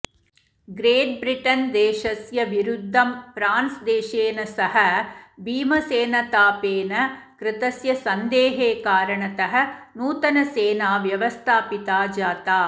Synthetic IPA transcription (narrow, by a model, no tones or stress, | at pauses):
ɡɾeːʈ̚bɾiʈɐnd̪eːʃɐsjɐʋiɾud̪ʱːɐmpɾaːnsd̪eːʃeːnɐsɐɦɐ̆bʱiːmɐseːnɐt̪aːpeːnɐ | kɾɪt̪ɐsjɐsɐnd̪eːɦeːkaːɾɐɳɐt̪ɐɦɐ̆nuːt̪ɐnɐseːnaːʋjɐʋɐst̪ʰaːpit̪aːd͡ʒaːt̪aː